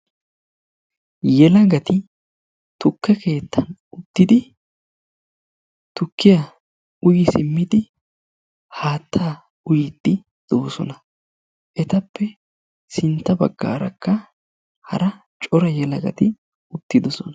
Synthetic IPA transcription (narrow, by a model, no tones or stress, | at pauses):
jɛlɐɡɐt̪ɪ | t̪ʊkːɛke̞ːt̪ːɐnʊt̪ːɪd̪ɪ | t̪ʊkːɪjɐ | ʊjɪsɪmːɪd̪ɪ | haːt̪ʰːaː | ʊjɪd̪ːɪ | d̪̥o̞ːsɔ̰nɐ | ʔɛt̪ɐpːɛ | sɪnt̪ːɐbɐ̰ɡːa̰ːɾɐkːɐ | hɐ̰ɾɐ | t͡ʃʼɔɾɐjɛlɐɡɐ̰t̪ɪ | ʊt̪ːɪd̪ɔsɔnɐ